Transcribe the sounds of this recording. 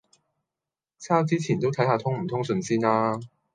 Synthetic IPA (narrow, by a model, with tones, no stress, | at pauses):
t͡sʰaː˥t͡siː˥t͡sʰiː˨˩nt̪o˥wt̪ʰɐ˨˥jhaː˨˧t̪ʰʊ˥ŋm̩˨˩t̪ʰʊ˥ŋsɵ˧nsiː˥naː˥